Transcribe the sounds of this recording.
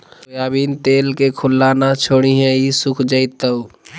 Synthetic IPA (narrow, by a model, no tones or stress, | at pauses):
jaːbiːnt̪eːlkekʰʊlːaːnat͡ʃʰoːɽ̃iɦɛ̃isʊkʰd͡ʒəɪt̪ːəw